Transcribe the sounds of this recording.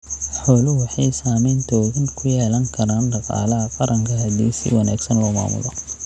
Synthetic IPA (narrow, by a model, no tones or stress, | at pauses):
ħɔːlʊwɑħɑjsaːmɛjnt̪ʰɔːɣɪnkʰʊjɛːlɐŋkʰɐɾaːnɖɑqɑ̰ːlɐɦɐqɑɾʔɐŋkʰɐɦɐd̪ḭːsɪ̰wɑnaːɡsɐnlɔːma̰ːmʊ̰lɔ̰